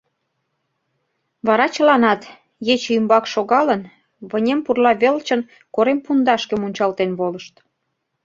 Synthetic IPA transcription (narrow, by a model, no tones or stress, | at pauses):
βɑɾɑt͡ɕə̆lɑnɑt̪ | jet͡ɕymbɑkʃoɣɑlən | βə̆nʲempurlɑβelt͡ɕə̆n | koɾempund̪ɑʃkĕmunʲt͡ɕɑlt̪enβoləʃt̪